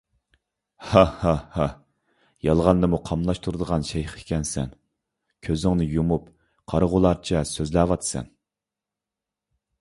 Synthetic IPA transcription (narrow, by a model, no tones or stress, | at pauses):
hɑhɑhɑ | jɑlˠʁɑnd̪ɨmuqʰɑmlˠɑʃt̪ʰuɾɨd̪əʁɑnʃɛjχʰe̥kʲɛnsɛ̰n | kʲʰøzɪŋnɪjumup | qʰɑɾəʁʊlˠɑɾt͡ʃʰɛsøzlæːwɑt̪ʰɨ̥sɛ̰n